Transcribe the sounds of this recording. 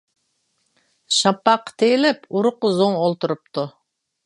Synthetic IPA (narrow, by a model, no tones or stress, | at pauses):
ʃɑpːɑqːt̪ʰejlɪpuɾʊqʊzoŋolˠt̪uɾɨp̚t̪ʰu